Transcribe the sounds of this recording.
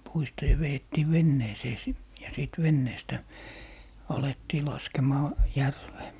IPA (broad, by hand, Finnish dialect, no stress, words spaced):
puistɑ jɑ ʋeetːiː ʋenːeːseː sit jɑ siˑt ʋenːeːstæ ɑletːiː lɑskemɑː jærʋeː